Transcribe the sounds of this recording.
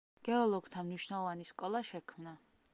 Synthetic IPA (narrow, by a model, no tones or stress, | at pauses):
ɡ̥ɛɔlˠɔɡt̪ʰamniʃwnalˠɔvaniskʼɔlˠaʃɛkʰmna